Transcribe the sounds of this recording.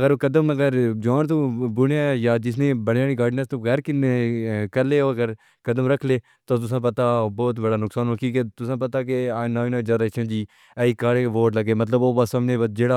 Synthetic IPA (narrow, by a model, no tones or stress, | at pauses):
əɡəɾoːkəd̪əməɡəɾd͡ʒaːnt̪oːbʊɽajaːd͡ʒɪsnẽːbəɽaːɽiːɡaːɖnəst̪oːɣɛːɾkɪnekəɾleːoːəɡəɾ | kəd̪əmɾəkʰleː | t̪oːt̪̬ʊs̬ãːp̬ət̪aːbɔːt̪bəɽaːnʊksaːnoːkiːket̪ʊsãːp̬ət̪aːkeaːnaːnãːd͡ʒəɾət͡ʃʰə̃ːd͡ʒiː | ɛːiːkaːɽeʋoːʈləɡeːmət̪ləboːbasəmnẽːbəd͡ʒeːɽaː